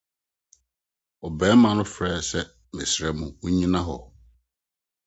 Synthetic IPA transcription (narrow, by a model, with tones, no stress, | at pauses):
ɔ˨bɛː˨˦mã˨nʊ̃˦fɾɛː˦sɛ˦ | mɪ̃˨sɾɛ˨mũ˨wo˦ɲĩ˦nã˦ɦɔ̰˨